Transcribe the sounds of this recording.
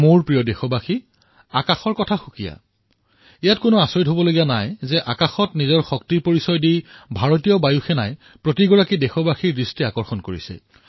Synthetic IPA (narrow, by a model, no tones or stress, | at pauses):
moɹpɹijɔdexɔbaxi | akaxɔɹkɔtʰaxukija̰ | ijatkʊnʊasoɹidɦobɔloɡijanajzɛʔakaxɔtnizɔɹxɔk̚tiɹpoɹisɔjdijbʱaɹɔtijɔbajuxɛnaj | pɹotiɡɔɹakidexɔbaxiɹɹistiakɔɹxɔnkoɹḭsɛ̰